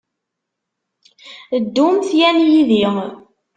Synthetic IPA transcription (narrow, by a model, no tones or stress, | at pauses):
d̪ːumθjænjiði